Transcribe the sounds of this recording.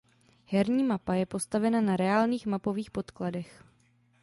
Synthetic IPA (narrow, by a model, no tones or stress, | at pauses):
hɛɾɲiːmapajɛpo̞st̪avɛnanaɾɛaːlɲiːxmapo̞viːxpo̞t̪kladɛx